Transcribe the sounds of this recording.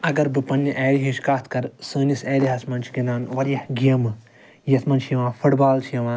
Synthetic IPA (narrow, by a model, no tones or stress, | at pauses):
ɐɡɐɾbɨpɐnʲːiʔɛːɽiɦiʃkaːt̪ʰkɐɾsəːniseːlʲiɦɐsmɐnt͡ʃʰi̥kinaːnʋɐɾjɐhɡijɐmɨ | jɐsmɐnt͡ʃʰjɐʋãːfʰuʈbaːlt͡ʃʰjɐʋãː